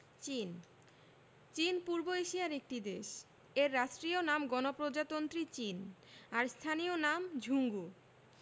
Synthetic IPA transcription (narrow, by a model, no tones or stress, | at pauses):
t͡ɕin | t͡ɕinpuɾboeʃiaɾek̚ʈid̪eʃ | eɾːaʃʈɾionamɡɔnopɾod͡ʑat̪ont̪ɾit͡ɕinaɾst̪ʰanionamd͡ʑʱuŋɡu